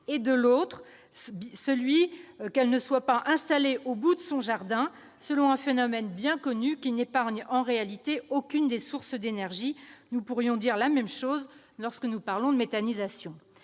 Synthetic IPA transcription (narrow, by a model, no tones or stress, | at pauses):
ed̪əlot̪χ | səlɥikɛlnəswapaʔɛ̃st̪aleʔobud̪əsɔ̃ʒaʁd̪ɛ̃ | səlɔ̃ɛ̃fenɔmɛnbjɛ̃kɔnykʲinepaʁɲɑ̃ʁealit̪eokʲynd̪esuʁsd̪enɛʁʒinupuʁjɔ̃d̪iʁlamɛmʃoz | lɔʁskənupaʁlɔ̃d̪əmet̪anizasjɔ̃